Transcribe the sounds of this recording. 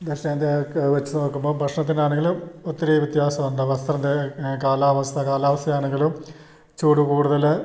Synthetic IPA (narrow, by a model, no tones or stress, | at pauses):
d̪ʱeʂneːnd̪eʋɐt͡ɕːunoːkːumboːbʱɐkʂɳɐt̪ːinaːɳeŋɡilumot̪ːɐɾɐjʋjet̪jaːsɐmɐnɖɐʋɐst̪rɐnd̪ekaːlaːʋɐst̪ʰɐkaːlaːʋɐst̪ʰɐjaːɳe̞ŋɡilum | t͡ɕuːɽukuːɽuðɐl